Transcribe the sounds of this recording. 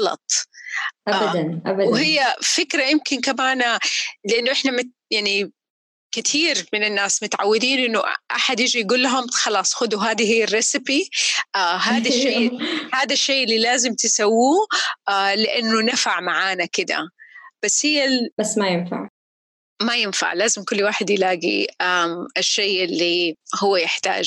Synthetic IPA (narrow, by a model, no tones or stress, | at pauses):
ɑlɑ̰t̪ˤʔabaanʔabwhɪjːafɪkɾajɪmkɪnkamaːnalɪʔanːʊʔɪħnamɪ | jaʕni | kɪt̪ʰiːɾmɪnɪnːaːsmʊt̪ʕa̰wːɪd̪iːnʔɪnːʊʔʔa̰ħad̪jɪd͡ʒijɡuːlːaɦʊmxɑlɑːsˤxʊd̪uɦaːd̪ihɪjːarːɪsɪpiʔaːɦaːd̪aʃːejhaːd̪aʃːejʔɪlːilaːzɪmt̪ɪsawːuːʔalɪʔanːʊnafaʕmaʕaːnakɪd̪a̰b̥asːhɪjːabasːmajɪnfa̰ʕ | majɪnfa̰ʕlaːzɪmkʊlːwaːħɪd̪jɪlaːɡḭaʔɪʃːeːʔɪlːihʊwːajɪħt̪a̰ːd͡ʒ